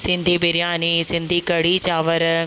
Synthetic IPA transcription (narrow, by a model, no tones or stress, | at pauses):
sɪ̃nd̪ʱibɪɾjaːniːsɪ̃nd̪ʱikɐɽit͡ɕaːʋəɾ